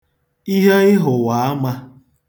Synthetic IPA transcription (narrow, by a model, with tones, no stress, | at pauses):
i˦ɦe˦ɪ˦ɦʊ˨wa˨˦a˦ma˦